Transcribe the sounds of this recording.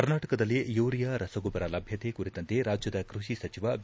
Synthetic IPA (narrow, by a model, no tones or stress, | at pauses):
kɐɾnaːʈɐkɐd̪ɐlːijuːɾijaɾɐsɐɡubɐɾɐlɐbʱjɐt̪ekuɾit̪ɐnt̪e̞ɾaːd͡ʒjɐd̪ɐkɾuʃisɐt͡ʃiʋɐ